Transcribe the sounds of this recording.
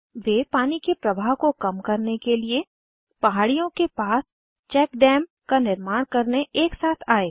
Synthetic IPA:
ʋeːpaːnikepɾɐbʱaːɦkokɐmkɐɾnekelie | pɐɦaːɽijõkepaːs | t͡ʃɛːkɖɛːm | kanɪɾmaːɽ̃kɐɾneʔeːksaːt̪ʰaːeː

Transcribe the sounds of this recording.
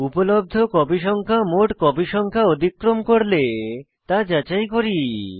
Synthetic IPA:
upolob̚d̪ʱokɔbiʃɔŋkʰamoʈkɔbiʃɔŋkʰaod̪ʱikːɾomkoɾle | t̪ad͡ʑat͡ɕajkoɾi

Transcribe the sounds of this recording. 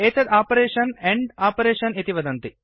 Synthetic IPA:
eːt̪ɐd̪aːpɐɾeːʃɐneɳɖaːpɐɾeːʃɐnet̪iʋɐd̪ɐnt̪i

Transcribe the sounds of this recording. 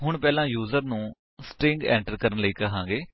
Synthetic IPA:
ɦʊɳpɛːlãːjuːzəɾnũː | sʈɾɪ̃ŋɡɛ̰ːɳʈəɾkəɾənləiːkəɦãːɡeː

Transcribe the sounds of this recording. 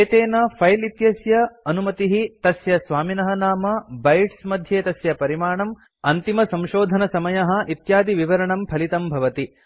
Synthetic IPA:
eːt̪eːnɐpʰɐjlit̪jɐsjɐɐnumɐt̪iɦit̪ɐsjɐsʋaːminɐɦɐnaːmɐbɐjʈsmɐd̪ʱjeːt̪ɐsjɐpɐɾimaːɳɐm | ɐnt̪imɐsɐ̃mʃoːd̪ʱɐnɐsɐmɐjɐɦɐ̆ʔit̪jaːd̪iʋiʋɐɾɐɳɐmpʰɐlit̪ɐmbʱɐʋɐt̪i

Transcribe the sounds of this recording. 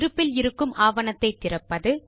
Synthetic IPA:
ɾɯpːɪlɪɾɯkːɯmʔaːʋɐnɐt̪ːɐɪt̪ːɪrɐpːɐðɯ

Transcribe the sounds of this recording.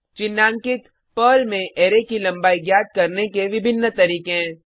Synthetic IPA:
t͡ʃɪnːãːŋkɪt̪ | pəːlmẽʔeːɾekilɐ̃mbaːiɡjaːt̪̚kɐɾnekeʋɪbʱɪnːət̪ɐɾiːkeɛ̃ː

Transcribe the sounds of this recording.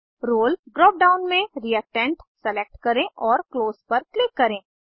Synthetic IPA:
ɾoːlɖɾɔːp̚ɖaːʊnmẽɾiəʈɛ̃ɳʈsɛlek̚ʈkɐɾẽʔɔːɾkloːzpɐɾklɪkːɐɾẽː

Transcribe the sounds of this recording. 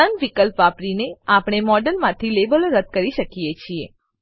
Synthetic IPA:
ənʋikəlpʋapɾineapɳ̃emɔɖəlmãt̪ʰilebəlɾəd̪̚kəɾiʃəkijet͡ʃʰie

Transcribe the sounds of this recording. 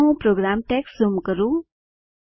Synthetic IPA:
õpɾoɡɾamʈeksumkəɾu

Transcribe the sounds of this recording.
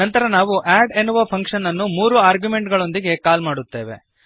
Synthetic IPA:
ɐnt̪ɐɾɐnaːʋuʔæːɖe̞nːuʋɐpʰɐŋkʂɐnːɐnːumuːɾuaːɾɡjume̞ɳʈɡɐɭo̞nd̪iɡe̞kaːlmaːɽut̪ːe̞ːʋe̞̰

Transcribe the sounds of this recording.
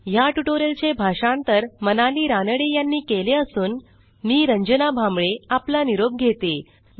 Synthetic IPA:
jaʈuʈoɾelt͡ɕebʱaʂãnt̪əɾmənaliːɾanəɽejanːiːkeleəsuːn | miːɾəɲd͡ʑənabʱãmbɭeaplaniɾob̚ɡʱet̪e

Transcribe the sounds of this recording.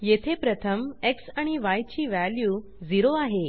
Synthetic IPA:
jet̪ʰepɾət̪ʰəmeksaɽ̃iʋajt͡ɕiːʋæljuː | d͡ziɾoaɦe

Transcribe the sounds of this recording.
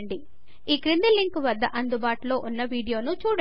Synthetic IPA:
ɳɖi | iːkɾind̪ilːiŋkuʋɐd̪ːɐʔɐnd̪ubaːʈulo̞ːʔunːɐʋiːɽijo̞ːnut͡ʃuːɽɐ

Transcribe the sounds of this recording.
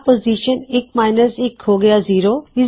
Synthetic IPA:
poːziːʃənɪkmaːɪnəsɪkɦoːɡɐjaziːɾoːɪ

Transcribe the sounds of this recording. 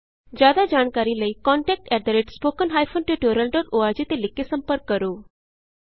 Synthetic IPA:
d͡ʑad̪ad͡ʑaːɳkaɾiləikɔɳʈɛk̚ʈɛɖ̪əɾeʈspokənɦajfʰonʈiʈuɾəlɖɔːʈoaɾd͡ʑit̪elɪkːesə̃mpəɾkːəɾo

